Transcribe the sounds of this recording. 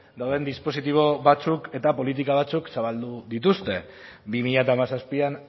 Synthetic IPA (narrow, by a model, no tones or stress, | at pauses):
d̪awðe̞nd̪ispo̞sit̪iβ̞o̞βat͡suke̞t̪apo̞lit̪̬ikaβ̞at͡suksaβald̪uðit̪ust̪e̞ | bimiʎat̪aːmasaspian